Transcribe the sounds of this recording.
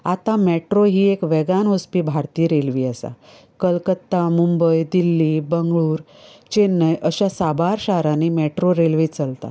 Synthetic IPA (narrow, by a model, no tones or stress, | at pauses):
at̪ãmɛʈɾoɦiːekʋɛɡanospiːbʱaɾt̪iːɾelʋiːəsa̰ | kəlkət̪ːamumbəjd̪ilːiːbəŋɡɭuːɾ | t͡ɕenːəjʔəɕasabaɾɕaɾãnemɛʈɾoɾelʋit͡səlt̪a̰